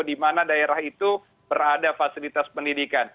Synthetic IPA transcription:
dimanadaeɾaɦit̪u | bəɾadafasilit̪aspəndidikan

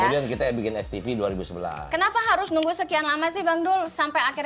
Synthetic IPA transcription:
əudiankit̪ajabikɪnɛft̪ifiduaɾibusəbəla̰kənapaɦaɾʊsnuŋɡusəkianlamasɪhbaŋdʊlsampajaki

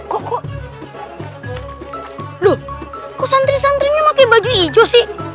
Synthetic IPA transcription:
kɔkɔ | lu | kɔsant̪ɾisant̪ɾiɲamakabad͡ʒuid͡ʒɔsi

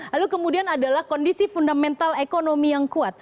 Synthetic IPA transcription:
lalukəmudianadalahkɔndisifundamɛnt̪alekonomijaŋkuat̪̚

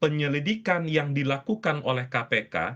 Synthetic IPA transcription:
pəɲəlidikanjaŋdilakukanʔolɛhkapeka̰

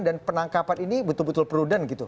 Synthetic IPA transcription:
ndanpənaŋkapaninibət̪ʊlbət̪ʊlpəɾudanɡit̪u

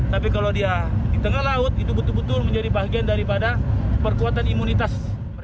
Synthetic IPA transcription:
t̪apikaladiadit̪əŋahlaʊt̪̚it̪ubət̪ʊlbət̪ʊrməɲd͡ʒadibaɦɡiandaɾipadapərkuat̪animunit̪as

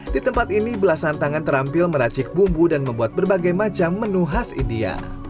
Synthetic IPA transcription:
dit̪əmpat̪inibəlasant̪aŋant̪əɾampɪlməɾat͡ʃɪk̚bumbudanməmbuat̪̚bərbaɡajmat͡ʃamːənuɦasḭndia̰

